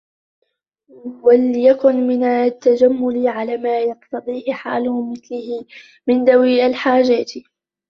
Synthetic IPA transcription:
waljakʊnmɪnat̪ːad͡ʒamːʊlʕalaːmaːjɑqt̪ɑd̪ˤiːʔħa̰ːlʊmɪθlɪhɪ | mɪnd̪awiːʔalħaːd͡ʒaːt̪

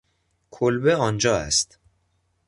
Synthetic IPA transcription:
kʰolbeɒːnd͡ʒɒːæ̰st̪

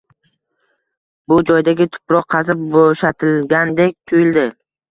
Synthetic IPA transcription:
bʊd͡ʒɒjd̪aɡʲɪt̪ʰʊ̥pɾɒqʰɑzɪp̚boʃat̪ʰɪlɡʲand̪e̞k̚ʲt̪ʰʊjɪld̪ɪ

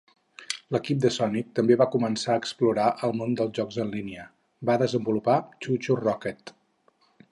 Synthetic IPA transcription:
ləkip̚d̪əsɔnik̚t̪əmbeβakumənsaəkspluɾaʔəlˠmond̪əlˠzʒɔkzənliniə | baðəzəmbulupat͡ʃut͡ʃurɔkɛt̪

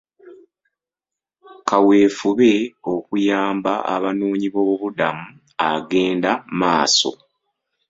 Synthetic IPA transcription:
kawe̞ːfuβe̞o̞kujaːmbaa̰βanuːɲiβoβudamu | aɡe̞ːndamaːso̞̰

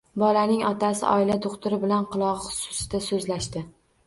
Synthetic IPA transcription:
bɒlanɪŋɒt̪ʰasɪ̰ʔɒ̰ɪlad̪oqt̪ʊɾɪbɪlanqʰɨlˠɒʁχʊ̥sʊ̥sɪd̪̥asɵzlaʃt̪ɪ

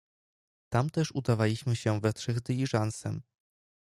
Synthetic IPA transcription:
t̪amt̪ɛʂud̪avalʲiɕmɘɕɛvɛtʂɛɣd̪ɘlʲiʐansɛm

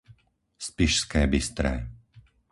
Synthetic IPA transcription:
spiʃskɛːbist̪ɾɛ̰ː

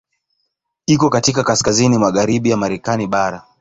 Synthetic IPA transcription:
ikɔkatikakaskazinimaɠaɾiɓijamaɾɛkaniɓaɾa

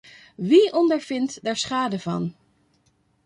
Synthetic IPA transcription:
ʋiʔɔndəɹv̥ɪntdɛɹsχaːdəvɑ̰n

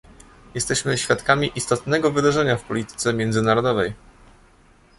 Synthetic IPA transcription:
jɛst̪ɛɕmɘɕfʲjat̪kamʲiʔist̪ɔt̪nɛɡɔvɘd̪aʐɛɲafpɔlʲit̪ɘ̥t̪sɛmʲjɛnd̪zɘnaɾɔd̪ɔvɛj

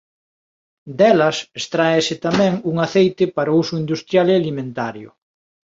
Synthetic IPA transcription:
d̪ɛlɐsest̪ɾaesɪt̪amɛ̃ŋuŋaθejt̪ɪpaɾousʊind̪ust̪ɾjalealimẽnt̪aɾjʊ̰

